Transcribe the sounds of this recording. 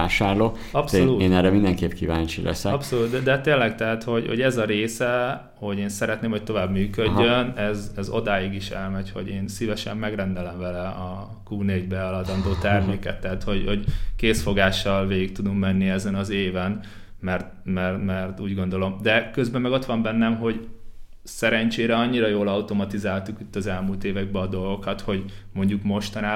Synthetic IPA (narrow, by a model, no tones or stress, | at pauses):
aːʃaːrloː | ɒpsoluːeːnɛɾɛmind̪ɛŋkeːpkiva̰ːnt͡ʃilɛ̰sɛɒpsoluːt̪d̪ɛd̪ɛt̪eːlːɛkt̪ɛɦat̪ho̞ɟhoɟɛzɒɾeːsɛ | ho̞ɟeːnsɛɾɛt̪neːmhoc̚t̪o̞vaːbmyːkødːønɛzɛzo̞̰d̪aːjiɡiʃɛ̰lmɛcho̰ɟeːnsivɛʃɛmːɛɡrɛnd̪ɛlɛɱvɛlɛɒ | kuːneːɟbɛɒlɒd̪ɒnd̪oːt̪ɛrmeːkɛt̪ːɛɦat̪ho̞ɟho̞ɟkeːsfo̞ɡaːʃːɒlveːɡik̚t̪ud̪ummɛnːiɛzɛnɒzeːvɛn | mɛrt̪mɛrmɛrt̪uːɟɡo̞nd̪o̞lo̞md̪ɛkøzbɛmːɛɡo̞t̪ʋɒmbɛnːɛmɦo̞ɟ | sɛɾɛɲt͡ʃeːɾɛɒɲːiɾɒjoːlɒut̪o̞mɒt̪izaːlt̪ukit̪ːɒzɛlmult̪eːvɛɡ̚bɛɒd̪o̞lɡo̞kɒt̪ho̞ɟmo̞ɲɟukmo̞ʃt̪ɒnaː